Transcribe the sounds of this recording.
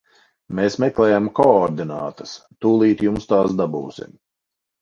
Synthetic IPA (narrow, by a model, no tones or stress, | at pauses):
meːsmɛklɛːjamkɔɔɾd̪inaːt̪əst̪uːlˠiːt̪jumst̪aːsd̪abuːsḭm